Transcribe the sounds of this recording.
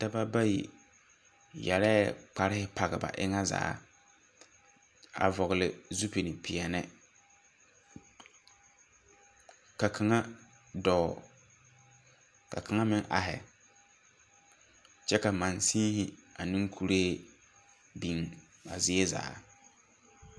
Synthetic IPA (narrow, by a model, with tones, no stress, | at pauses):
da˦ba˦ba˦jḭ˨ | jɛ̰˨ɾɛ˦k͡pa˦ɾɪ˦hɪ˦pa˨ɣɪ˨ba̰˨ʔɪ̰˦ŋa˦za̰ː˨˦ | a̰˨vɔ˨ɣɪ˨lɪ̰˨zu˦pi˨nɪ˨pʰɪ˨ɛ˨nɛ˦ | ka˨kʰa˨ŋa˦ | dɔː˨ | ka˨kʰa˨ŋa˦mɪ˦ŋʔa̰˨ɦɪ̰˨ | t͡ʃɛ˦ka˨ma˨nsĩː˦hɪ˨a˨nɪ̃˦ŋkʰu˨ɾeː˦˨ | bi˨ŋ | a˨zɪ˦e˦za̰ː˨˦